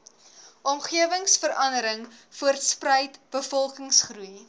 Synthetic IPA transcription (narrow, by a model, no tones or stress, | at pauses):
ʔɔmχiəvəŋsfəɾʔɐndəɾəŋfuərtsprəjtb̥əfɔlˠkəŋsχruj